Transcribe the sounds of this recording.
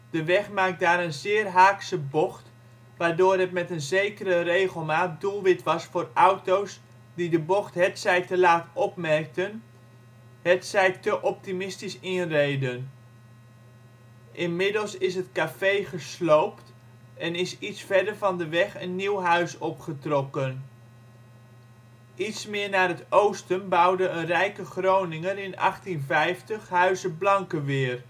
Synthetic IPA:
d̥əʋɛχmaːk̚daːɾənzɪːrɦaːksəbɔχt | ʋaːɹdʊːrɦətmɛtənzejkərərejχəlˠmaːt̚dulˠʋɪtʋɑsfʊːrʌwtows | didəbɔχtɦɛtsɛjtəlaːtɔpmɛrk̚tən | ɦɛtsɛjtəʔɔp̚timɪstisɪnrejdən | ʔɪnmɪdəlˠsɪsɦətkafejχəslowpt | ɛnɪsitsfɛɹdəɹvɑndəʋɛχənːiwɦœɥsɔpχətrɔkən | ʔitsmɪːɹnaːrɦətowstənbɑwdəənrɛjkəχrownɪŋənɪnɑ̰χtinvɛjftəχɦœɥzəblɑŋkəʋɪːr

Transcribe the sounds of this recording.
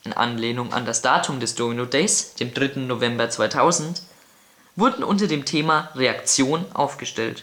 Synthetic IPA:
ʔɪnʔa̰nleːnʊŋʔa̰ndasd̥aːtʰʊmdɛsd̥oːminodɛɪsd̥eːmdʁɪtn̩novɛmbɐt͡sv̥aɪtʰaʊzn̩t | vʊɐdn̩ʔʊntɐdeːmtʰeːmaʁeakt͡sjoːnnʔa̰ʊfɡ̥əʃtɛlt

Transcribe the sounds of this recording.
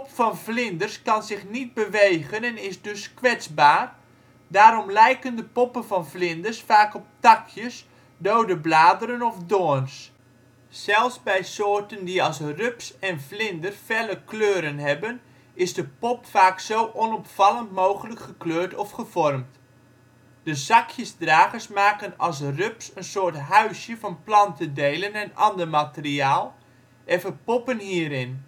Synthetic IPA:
ppfɑnvlɪndərskɑnzɪχnit̚bəʋejɣənɛnɪsdɵskʋɛt͡sbaːr | daːɾɔmlɛjkəndəpɔpənvɑnvlɪndərsfaːkɔp̚tɑkʰjəs | doːdəblaːdəɾənɔfdoːns | sɛlˠfsbɛjsoːrtəndiɑlˠsrʏpsɛnflɪndərfɛləkløːɾənɦɛbən | ɪzdəpɔpfaːksowʔɔnɔpfɑlˠəntmoːχələkχəkløːɹtɔfχəvɔrmt | d̥əzɑkʰjəsdraːχəsmaːkənɑlˠs̬røpsənsoːɹtɦœɥsjəfɑnplɑntədeːlənɛnɑndəɹmatəriaːlˠ | ʔɛfəpɔpənhiːɾɪn

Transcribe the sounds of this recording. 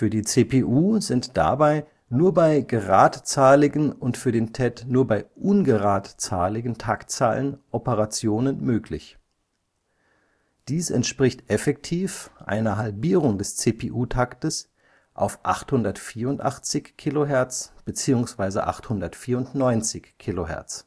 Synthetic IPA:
fyːɐdiːt͡seːpʰeːʔuːzɪntd̥a̰baɪ | nuːɐbaɪɡəʁa̰ːtt͡saːlɪɡənʊntfyːɐdeːntʰɛtnuːɐbaɪʔʊnɡəʁaːtt͡sa̰ːlɪɡn̩tʰakt͡sa̰ːlənʔɔpəʁat͡sjoːnənmøːkʰlɪ̰ç | d̥iːsɛ̰ntʃpʁ̥ɪçtʔɛfɛk̚tʰiːfʔa̰ɪnɐɦalbiːʁʊŋdɛst͡seːpʰeːʔuːtʰaktəs | ʔa̰ʊfʔa̰χthʊndɐtfiːɐʊntʔa̰χt͡sɪçkʰːiːloɦɛɐt͡sb̥ət͡siːʊŋsv̥aɪzə̰ʔa̰χthʊndɐtfiːɐʊntnɔʏnt͡sɪçkʰːiloɦɛ̰ɐt͡s

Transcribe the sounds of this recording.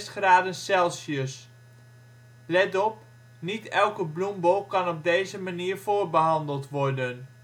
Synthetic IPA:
sχraːdənsɛlˠsjəs | lɛtɔp | nitɛlˠkəblumbowkɑnɔb̚dejzəmaniːrv̥oːrbəɦɑndəlˠtʋɔrdən

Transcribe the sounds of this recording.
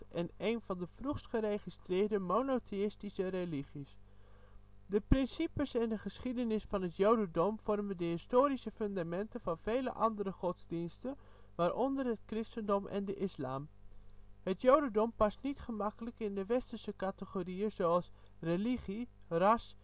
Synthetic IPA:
ɛnejnv̥ɑndəv̥ruχstχərejχistrɪːɹdəmonotʰeɪstisəreliχis | dəprɪnsipəsɛndəχəsχidənɪsfɑnɦətjowdədɔmv̥ɔrməndəɦɪstoːɾisəfʏndamɛntəvɑnv̥ejlə̰ʔɑndərəχɔtzdinstən | ʋaːɾʔɔndərɦət̚krɪstəndɔmʔɛ̰ndəʔɪslaːm | ɦətjowdədɔmpɑstnitχəmɑkələkɪndəʋɛstərsəkatəχoriəzowɑlˠs | reliχirɑs

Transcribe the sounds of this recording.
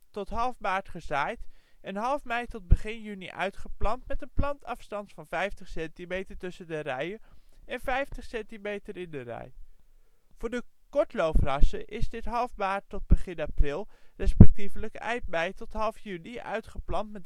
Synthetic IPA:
tɔtɦɑlˠfmaːɹtχəzaːjt | ɛnɦɑlˠfmɛjtɔd̚bəχɪnjyniʔœ̰ɥtχəplɑntmɛtənplɑntɑfstɑntfɑnvɛjftəχsɛntimejtəɹtɵsəndərɛjəɛnvɛjftəχsɛntimejtəɾɪndərɛ̰j | v̥ʊːɹdəkɔɹtlowfrɑsəʔɪzdɪtɦɑlˠfmaːɹtɔd̚bəχɪnaprɪlˠrɛspɛk̚tivələkɛ̰jp̚mɛjtɔtɦɑlˠfjyniœ̰ɥtχəplɑntmɛt

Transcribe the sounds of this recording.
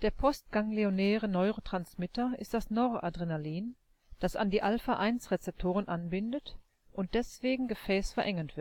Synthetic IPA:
d̥eːɐpʰɔst̚ɡ̥aŋleonɛːʁənɔʏʁotʁ̥ansmɪtɐɪ̰st̚d̥asnɔʏʁoʔadʁenaliːn | d̥asa̰ndiːʔalfaʔaɪnsʁet͡sɛp̚tʰoːʁənʔanbɪndət | ʔʊnt̚d̥ɛsv̥eːɡŋ̩ɡəfɛːsfɛɐʔɛŋɐntv̥ɪt

